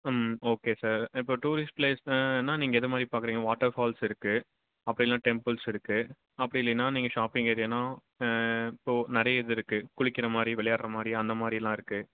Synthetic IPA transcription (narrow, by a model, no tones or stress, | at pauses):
moːkeːsaːɾɪpːoːʈuːɾɪsʈ̚pleːseːnːaːniːŋɡɐɪðɐmaːd̪ɾipaːɾkɯɾiːŋɡɐʋaːʈɐɾfaːlsɪɾɯkːɯ | ɐpːɐɽɪlãːʈɛmpɪlsɪɾɯkːɯ | ɐpːɐɽɪlːɪnːaːniːŋɡɐʃaːpɪŋɡɐɾɪjɐnːaː | ɪpːoːnɐɾɐjɐɛðɯɾɯkːɯkʊɽɪkːɪɾɐmaːd̪ɾiʋɛɭɐjaːɾɾɐmaːd̪ɾiɐnd̪ɐmaːd̪ɾɪlãːɪɾɯkːɯ